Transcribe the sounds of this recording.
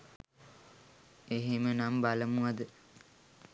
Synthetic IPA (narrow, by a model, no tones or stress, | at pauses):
eɦemənambaləmuad̪ə